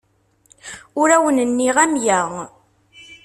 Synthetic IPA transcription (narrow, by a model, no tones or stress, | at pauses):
ʊɾæwənənːiʁæmjæʁ